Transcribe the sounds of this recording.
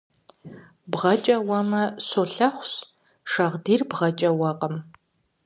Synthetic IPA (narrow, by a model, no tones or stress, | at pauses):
bʁɐt͡ʃʼɐwɐmɐsoɬɐχʷɕ | ʂɐʁdiːrbʁɐt͡ʃʼɐwɐqʼəm